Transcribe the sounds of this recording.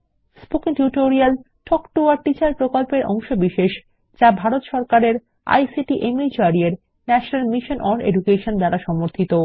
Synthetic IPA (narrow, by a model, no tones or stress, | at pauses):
spokiŋʈjuʈoɾial | ʈʰɔkʈuaɾʈit͡ɕaɾpɾokolpeɾʔɔŋʃobiʃeʃ | d͡ʑabʱaɾot̪ʃɔɾkaɾeɾ | a̰jsiʈiʔemit͡ɕoaɾieɾ | nɛʃonalmiʃonʔɔɖḛɖukeʃond̪aɾaʃɔmoɾt̪ʰit̪o